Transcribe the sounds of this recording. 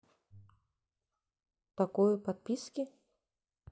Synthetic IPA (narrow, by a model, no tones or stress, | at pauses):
t̪akɔjpɐt̪̚pʲiskʲɪ